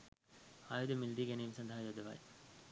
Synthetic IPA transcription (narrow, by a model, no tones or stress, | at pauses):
aːjod̪emild̪iɡenimsɐnd̪ʱaɦajod̪eʋa̰j